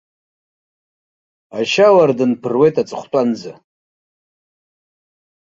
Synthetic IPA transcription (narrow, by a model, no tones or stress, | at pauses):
aʃawardɨnpʰɨrwe̞jtʼat͡sʼɨχʷtʼand͡za